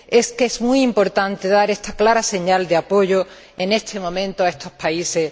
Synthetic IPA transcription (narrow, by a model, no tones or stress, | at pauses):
e̞skesmuijimpo̞ɾt̪ant̪e̞ðaɾe̞st̪aklaɾase̞ɲald̪eapo̞ʝo | e̞ne̞st̪ʰe̞mõ̞mẽ̞nt̪oae̞st̪o̞spaise̞